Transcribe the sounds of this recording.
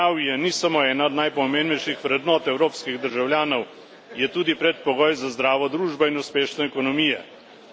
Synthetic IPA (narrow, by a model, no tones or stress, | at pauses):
awijɛnisamoɛːnaɔd̪najpɔmeːmbnɛjʃixʋɾɛd̪nɔːt̪ɛwɾoːpskiɣd̪əɾʒawljaːnɔw | jɛt̪uːd̪ipɾɛt̪̚pɔɡɔːjzazd̪ɾaːʋɔd̪ɾuːʒbɔinuspeːʃnɛɛkɔnɔmijɛ̰